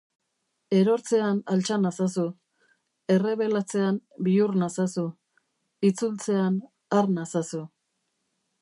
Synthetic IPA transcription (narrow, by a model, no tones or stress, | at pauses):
e̞ɾo̞ɾt͡se̞analt͡ʃanasasu | e̞re̞βe̞lat͡se̞anbiurnasasu | it͡sult͡se̞an | aɾnasasu